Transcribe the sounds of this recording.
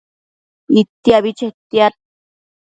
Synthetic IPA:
it̪ːiaβit͡ʃet̪jaɾ

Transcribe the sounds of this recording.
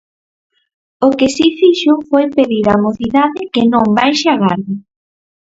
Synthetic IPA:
okɪsifiʃʊfojpeðiɾaːmoθiðaðɪkenõmbajʃeaɣaɾðʊ

